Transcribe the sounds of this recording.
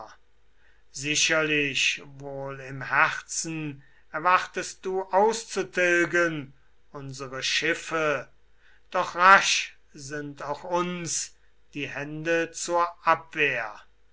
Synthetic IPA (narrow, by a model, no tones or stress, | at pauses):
zɪʃɐlɪɕvoːlɪmhæχt͡sn̩ | ɛɐvaχtəst̚d̥uːʔaʊst͡sutʰɪlɡən | ʔʊnzəʁəʃɪfə | d̥ɔχʁaʃ | zɪntʰaʊxʊns | d̥iːhɛndət͡suːɐʔapv̥eːɐ